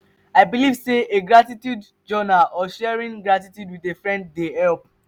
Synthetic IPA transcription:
aɪbilivseʔeɡɹatitjud | d͡ʒɔnaʔɔʃɛɹĩnɡɹatitjudwiðefɹɛ̃nd̚ːehɛlp̚

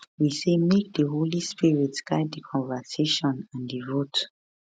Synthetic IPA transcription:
wisemek̚dəɦolispiɹitsɡ̥aɪd̚dəkʰɔ̃nvəseʃɔ̃nãndivot

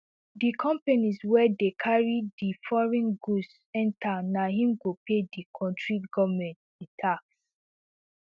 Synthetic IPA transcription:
dikʰɔ̃mpaniswɛdekʰaɹidifɔɹĩnɡus | ɛ̃ntanaɦĩmɡopedikʰɔ̃ntɹiɡɔvmɛ̃ntditʰaks

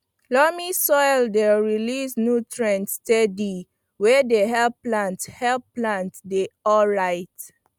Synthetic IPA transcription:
lɔmisɔjldeɹilisnutɹɛ̃ntstɛdi | wɛdeɦɛlplãnthɛlplãntdeɔlɹaɪt

